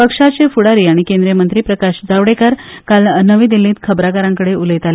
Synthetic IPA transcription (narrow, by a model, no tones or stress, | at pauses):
pəkʂat͡sefuɽaɾiːaɽ̃ikend̪ɾijəmənt̪ɾiːpɾəkaɕd͡zaʋɽekaɾkalnəʋiːd̪iliːt̪kʰəbɾakaɾãŋkəɽeuləjt̪ale